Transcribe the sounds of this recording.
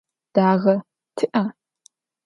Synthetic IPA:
d̥aːɣɐ | tʰɨʔa

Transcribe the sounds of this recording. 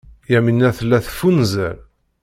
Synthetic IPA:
jæminːæθəlːæθfunzəɾ

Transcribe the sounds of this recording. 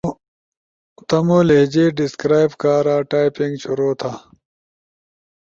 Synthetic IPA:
t̪ɐmoːleɦd͡ʑiːɖiskɾaːjbkaːɾaːʈaːipiŋɡt͡ɕʰuɾoːt̪ʰaː

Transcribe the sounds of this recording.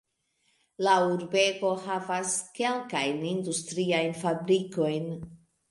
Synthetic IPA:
lauɾbe̞ɡo̞havaske̞lkajnindustɾiajnfabɾiko̞jn

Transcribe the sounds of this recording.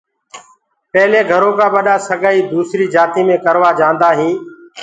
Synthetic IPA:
pɛɦleːɡʱəɾõːkãːɓəɗaːsəɡaːiːd̪uːsɾiːd͡ʒaːt̪iːmẽːkəɾʋaːd͡ʒãːnd̪aːɦĩː

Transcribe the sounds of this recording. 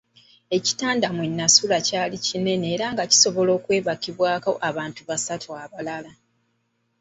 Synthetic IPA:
e̞ci̥taːndamwenːasulacaːlicine̞ne̞ːɾaːŋɡaci̥so̞βo̞lo̞ːkwe̞ːβakiβwaːkoʔaβaːntuβasatʰuaβalala

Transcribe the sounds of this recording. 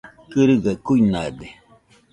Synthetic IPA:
kɨɾɯɡakuinad̪e

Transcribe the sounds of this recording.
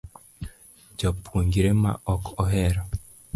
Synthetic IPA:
d͡ʒɔpʰwoŋɡiɾema̰ʔɔkɔɦɛɾɔ

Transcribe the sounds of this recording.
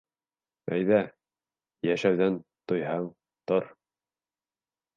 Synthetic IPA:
æjðæ | jæʃæwðænt̪ŏjhɑɴ | t̪oɾ

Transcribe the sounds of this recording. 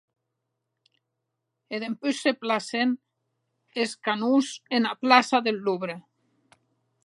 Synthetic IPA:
eðempyseplasen | eskanusenaplasaðelːuβɾe

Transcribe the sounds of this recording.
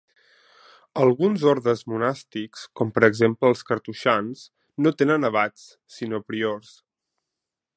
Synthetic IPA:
əlˠɣunzoɾðəzmunast̪ikskɔmpəɾəɡzempləːlˠskəɾt̪uʃans | not̪enənəβ̞at͡s | sinopɾiors

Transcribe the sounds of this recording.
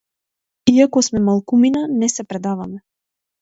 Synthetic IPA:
iakɔsmɛmalˠkuminanɛsɛpɾɛd̪avamɛ

